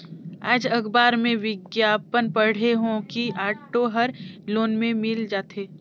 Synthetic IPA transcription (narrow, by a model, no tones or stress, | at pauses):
a̰ːd͡ʒɐɡbaːɾmẽʋɪɡjaːpənpɐɽ̤eɦõkiʔaːʈoɦɐɾloːnmẽmɪld͡ʒaːt̪ʰeː